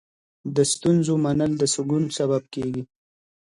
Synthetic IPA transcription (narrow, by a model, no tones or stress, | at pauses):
d̪əst̪unzomanəld̪əsəɡunsaβab̚keɡi